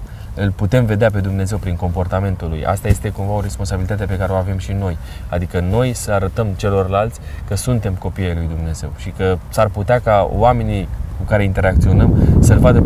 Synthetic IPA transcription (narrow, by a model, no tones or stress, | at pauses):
ɨlput̪e̞mve̞d̪eap̬e̞d̪umne̞ze̞wpɾiŋko̞mpo̞rt̪ame̞nt̪ulṵja̰st̪aje̞st̪e̞kumvao̞ɾe̞spo̞nsabilit̪at̪̬ep̬e̞kaɾeo̞ave̞mʃino̞jad̪ikəno̞jsəaɾət̪əmt͡ʃe̞lo̞rlalt̪sʲkəsunt̪e̞mko̞pijejlujd̪umne̞ze̞̰wʃikəsarput̪eakawame̞nikukaɾe̞int̪eɾak̚t̪sio̞nəmsəlvad̪ə